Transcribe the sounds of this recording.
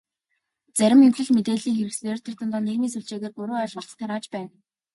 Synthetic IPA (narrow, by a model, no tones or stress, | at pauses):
t͡sæɾʲɪ̆meŋkɮɘ̆ɮmet̪eːɮiːŋxeɾɘ̆kser̥ʰʲt̪ʰə̆rt̪ə̆nt̪ɔːnːeɣmiːnsuɮt͡ɕeːɣeːrpɵɾoːaɮɔ̆ɮt͡sə̥̆t̪ʰːaɾaːt͡ɕpæːn